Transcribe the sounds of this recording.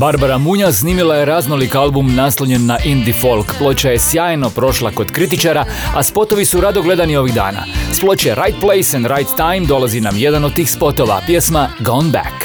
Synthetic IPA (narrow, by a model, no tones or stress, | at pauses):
baɾbaɾamuɲasniːmilajeɾaːznolikalˠbumnasoʎenːaʔind̪ifo̞lˠkplˠo̞t͡ɕaje̞sjaːjno̞pɾo̞ʃlˠako̞d̪kɾit̪it͡ʃaɾaaspo̞t̪o̞ʋisuɾad̪o̞ɡle̞d̪anio̞ʋiɣd̪a̰ːna̰splo̞t͡ɕeɾʔajt̪̚plejsɛnd̪ɾajt̪ːajmd̪o̞lˠazinamje̞d̪anod̪̚t̪iːxspo̞t̪o̞ʋa̰pjesmaɡonbɛ̰k